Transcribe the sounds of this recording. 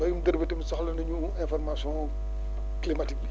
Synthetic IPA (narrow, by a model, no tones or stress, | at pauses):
bɐjumdɐɾbitɐmsɔxlɐnɐɲu | ɛ̃fɔrmasɔ̃ː | klimatik̚i